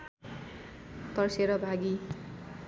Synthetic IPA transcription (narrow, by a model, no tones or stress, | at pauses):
t̪ʌrseɾʌbʱaɡi